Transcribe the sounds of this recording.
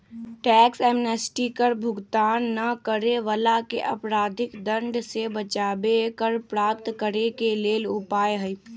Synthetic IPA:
ʈɛːksɛːmnəsʈikəɾbʱʊɡt̪aːnːɐkəɾeʋəlakḛʔɐpɾaːd̪ʱɪkd̪ə̃ɳɖsebət͡ʃaːbekəɾpɾaːp̚t̪kəɾekeleːlʊpaːeɦəi

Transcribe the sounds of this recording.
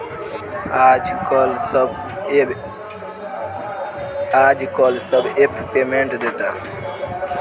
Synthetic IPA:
ad͡ʒkɔls | ad͡ʒkɔlsəbepʰpemẽɳʈd̪et̪a̰

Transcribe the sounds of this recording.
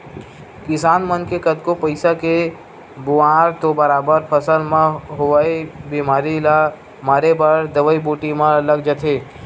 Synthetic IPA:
kɪsaːnmənkekət̪kopəɪsake | bʊaːɾt̪obəɾaːbəɾpʰəsəlmẽɦʊʋaibimaːɾila | maːɾebəɾd̪əʋəibuːʈimãləɡd͡ʒət̪ʰe

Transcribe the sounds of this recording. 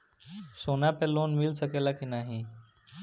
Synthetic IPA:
soːnapeloːnmɪlsəkeːlakinaːɦĩː

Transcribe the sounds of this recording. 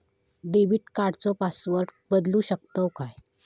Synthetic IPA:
ɖeʋiːʈkaɽt͡sɔpasʋəɾʈ | bəd̪luɕək̚t̪əkaj

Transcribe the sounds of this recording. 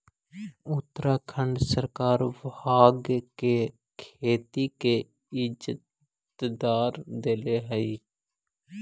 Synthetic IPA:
ʊt̪ːɾakʰə̃ɳɖsəɾkaːɾʋaːɡke | kʰeːt̪ike | ɪd͡ʒt̪ | d̪aːɾd̪eːleɦəi

